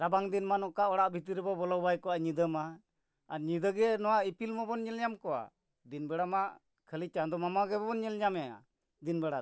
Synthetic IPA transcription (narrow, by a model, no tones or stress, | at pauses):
ɾabaŋd̪inmanɔʔkaʔɔɽaʔbʱit̪̬iɾɛbɔbɔlɔbajkɔaʔɲid̪əmaː | ɾɲid̪əɡɛnɔwaʔipilmɔbɔnɲɛlɲamkɔwa̰ | d̪inbɛɽamaʔ | kʰəlit͡ʃad̪ɔmamaɡɛbɔbɔnɲɛlɲamɛja̰ | d̪inbɛɽa